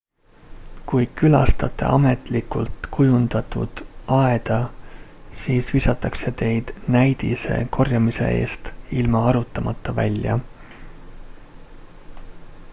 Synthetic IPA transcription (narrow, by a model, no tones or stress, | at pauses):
kujkylɑ̰st̪ɑt̪ːˑe̞̰ʔɑme̞t̪ˑlikult̪kʰujund̪̥ɑt̪ːˑṵd̪̥ɑe̞d̪̥ɑ | siːsvisɑt̪ːˑɑkse̞t̪e̞jd̪̥næjd̪̥ḭse̞̰kʰo̞rjɑmise̞̰ʔe̞̰ːst̪ilmɑɑɾut̪ːˑɑmɑt̪ːɑvæ̰lʲjɑ̰